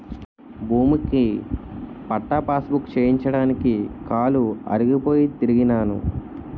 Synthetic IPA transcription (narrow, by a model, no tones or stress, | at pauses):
bʱuːmuki | pɐʈːɐpaːsbukt͡ʃeːjiɲt͡ʃɐɽaːnikikaːluɐ̰ɾiɡipo̞ːjit̪iɾiɡinaːnṵ